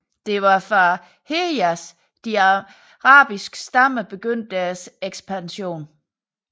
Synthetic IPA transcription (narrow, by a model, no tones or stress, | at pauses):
d̥e̝ʋɑ̈fʁɑ̈ | heæs | d̥i | ʁɑ̰̈ːb̥isɡ̥sd̥ɑm̰əb̥e̝ɡ̥øn̰d̥ːæɐseɡ̥sb̥ænɕo̝̰ːn